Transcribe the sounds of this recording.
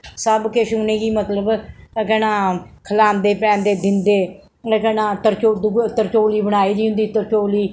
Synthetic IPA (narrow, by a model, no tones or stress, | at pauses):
səbkeːʃuːnẽːɡiːmət̪ləbkɛːnãːkʰəlaːmd̪eːpɛ̃ːnd̪eːd̪ɪnd̪eː | kɛːnãːt̪əɾt͡ʃoːd̪ɡt̪əɾt͡ʃoːliːbəɽaːiːd͡ʒ̪iːɦʊ̃nd̪iːt̪əɾt͡ʃoːliː